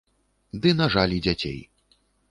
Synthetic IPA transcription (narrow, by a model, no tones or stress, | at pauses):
d̪ɨnaʐalʲid͡zʲat͡sʲḛj